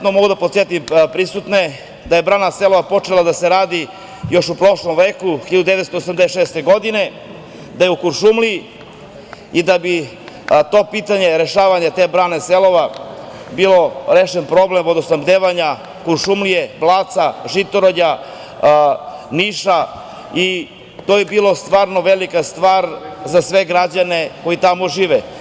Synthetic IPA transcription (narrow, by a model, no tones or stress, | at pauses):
t̪nomoɡud̪apot̪jet̪impɾisut̪ne | d̪aje̞bɾaːnaselo̞ʋapo̞t͡ʃe̞lad̪aseɾaːd̪i | jo̞ʃupɾo̞ʃlo̞mʋeːkuxiʎad̪ud̪eʋet̪st̪oosamd̪eʃeːst̪e̞ɡo̞d̪ine̞ | d̪ajeukuɾʃumlii | id̪abi | t̪o̞ːpit̪aɲe̞ɾe̞ʃaːʋaɲat̪e̞ːbɾaːne̞selo̞ʋa | bilˠo̞ɾeʃenpɾo̞blemod̪osambd̪eːʋaɲa | kuɾʃumlijeblˠaːt̪saʒit̪oɾoʎa | niːʃa | i | t̪ojebiːlo̞st̪ʋaːɾno̞ʋelikast̪ʋaːɾzasʋe̞ɡɾad͡ʑane̞ko̞jit̪amoʒiːʋe